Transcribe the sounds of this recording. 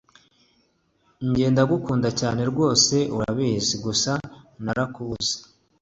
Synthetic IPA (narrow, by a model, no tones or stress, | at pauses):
ɲɟe̞ːndaɡukuːndacaːne̞ɾɡwo̞ːse̞uɾaβeːziɡusanaɾakuze̥